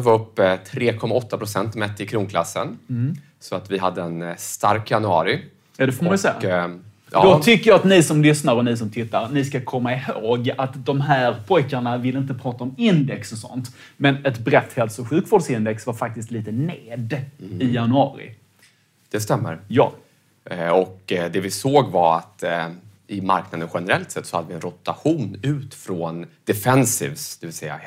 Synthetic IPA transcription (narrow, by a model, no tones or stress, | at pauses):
vaɾɵpːt̪ʰɾeːkʰɔmːaɔt̪ːapʰɾʊsɛnt̪mɛt̪ːɪkʰɾuːŋkʰla̰sːə̰n | sɔat̪vɪɦad̪ːəɛnst̪a̰ɾkjanɵɑ̰ːɾɪ | jɑd̪ɛfɔɾmansɛːa̰ | d̪ot̪ʰʏkːəɾjɑːat̪nɪsɔmlʏsnaɾɔnɪsɔmt̪ʰɪt̪ːaɾnɪskakʰɔmːaɪhoːɡat̪d̪ɔmɦæːɾpʰɔjkaɳavɪlɪnt̪əpʰɾɑːt̪aɔmɪnd̪ɛksɔsɔ̰nt̪ | mɛnɛt̪bɾɛt̪ːhɛlsʊɧʉ̟ːkvʊːɖsɪnd̪ɛksvaɾfak̚t̪ɪst̪liːt̪əneːd̪ɪjanɵɑ̰ːɾɪ̰ | d̪̥ɛst̪ɛmːə̰ɾjɑ̰ː | ɔkd̪ɛvɪsoːɡvaɾa̰t̪ | ɪma̰ɾknad̪ənɧɛnəɾɛlt̪sɛt̪ːsɔ̥had̪ːəvɪɛnɾʊt̪aɧuːnʉ̟ːt̪fɾɔnd̪̥ɛfɛnsḭvsd̪ɛvɪlsɛjːa̰